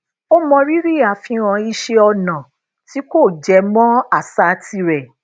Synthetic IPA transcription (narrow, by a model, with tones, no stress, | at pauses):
o˦mɔ̃˧ɾi˦ɾi˦˨a˨fĩ˧ɾ̃ã˧i˧ʃe˧ɔ˧nã˨ | ti˨˦ko˦˨d͡ʒɛ˧mɔ̃˦a˦˨sa˨˧ti˧ɾɛ˨